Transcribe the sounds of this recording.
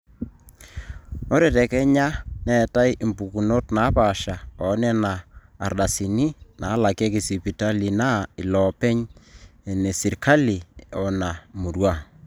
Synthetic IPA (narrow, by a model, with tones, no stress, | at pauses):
ɔ˦ɾɛ˨tɛ˨kɛ˦ɲa˦nɛ˨ta˦jmpu˨ku˨no˦tna˨˦pa˨ʃa˨ɔ˨˦nɛ˦na̰ː˨rɗa˨si˨ni˦na˨˦la˨kɛ˦kɪ˨si˨pi˨ta˦li˨na˦ɪ˨lɔ˨pɛ˦ɲe˨ne˨si˨ɾkʰa˦li˨ɔ˨na˨mu˨ɾwa˦˨